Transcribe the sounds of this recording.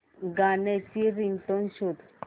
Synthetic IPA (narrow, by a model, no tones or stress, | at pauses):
ɡanɛt͡ɕiɾint̪ɔnɕud̪